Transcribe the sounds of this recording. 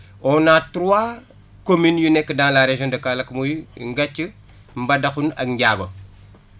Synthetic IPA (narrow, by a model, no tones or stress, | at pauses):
ɔnatɾuwa | kominjunekːədaŋlaɾeʒondɐkalɐkmujŋɡat͡ʃːə | mbadaxunɐ̰ɡŋɡaːɡo